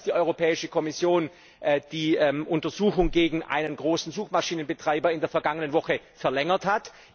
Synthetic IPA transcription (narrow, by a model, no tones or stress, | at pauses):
d̥iːʔɔʏʁopʰɛːɪʃəkʰɔmɪsjoːn | ʔd̥iːɛmʔʊntɐzuːxʊŋɡeːɡŋ̩ʔa̰ɪnənɡʁoːsn̩zuːxmaʃiːnənbətʁ̥aɪbɐɪndeːɐfɛɐɡaŋənənvɔxə | fɛɐlɛŋɐthat